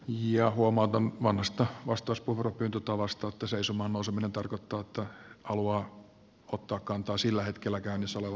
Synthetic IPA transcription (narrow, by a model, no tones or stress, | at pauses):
jɑhuomɑut̪ɑnʋɑnhɑst̪ɑʋɑst̪ˑɑuspuferopyːnt̪ot̪ːɑʋɑst̪ɑːt̪ːɑseisumɑːnnouseminent̪ɑrkot̪ːɑːet̪ːɑhɑluɑː | ot̪ːɑːkkɑnt̪ɑːsilːæhet̪kelːækæynisːoleʋɑ